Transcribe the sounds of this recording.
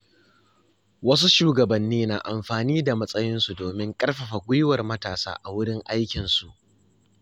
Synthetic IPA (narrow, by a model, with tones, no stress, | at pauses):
wɐ˦s̬u˦ʃuː˦ɡɐ˨bɐ˨nːiː˦na̰ː˨ʔa˨mɸaː˨niː˦da˨mɐ˦sʼɐ˦jɪ˦nsu˨doː˨mɪ˦ŋkʼɐ˦rɸɐ˨ɸa˨ɡʷʊ˦jwɐ˨rmɐ˦taː˨sa̰ː˦ʔa˨wʊ˦ɽɪ˦ŋʔa˦jkʲɪ˨nsu˨ʔ